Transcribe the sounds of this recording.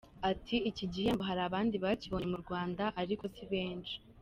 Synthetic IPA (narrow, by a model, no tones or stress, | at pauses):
atʰiiciɟihe̞mboɦaɾaːβaːndiβaciβo̞ɲemuɾɡwaːndaʔaɾiko̞siβe̞ːnʃi̥